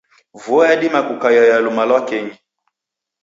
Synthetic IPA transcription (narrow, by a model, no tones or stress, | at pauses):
vuɔjaɗimakukajajalumalwakɛɲi